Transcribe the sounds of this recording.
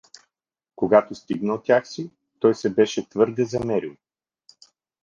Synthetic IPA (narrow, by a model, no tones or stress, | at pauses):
koɡat̪ost̪iɡnəot̪t̪ʲːjaxsi | t̪ɔjsɛbɛʃɛt̪vɤɾd̪ɛzɐmɛɾilˠ